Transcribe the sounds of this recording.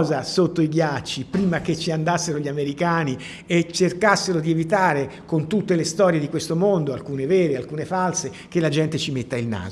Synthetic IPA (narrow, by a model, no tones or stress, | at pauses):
zasot̪ːoiɡjat͡ʃːipɾiːmaket͡ʃiand̪asːeɾoʎiameɾikaːni | et͡ʃːerkasːeɾod̪ievit̪̬aːɾekont̪ut̪ːelest̪ɔːɾjed̪ikwest̪omond̪oalkuːnevɛːɾealkuːnefalse | k̟elːad͡ʒɛnt̪et͡ʃimet̪ːailna̰ːzo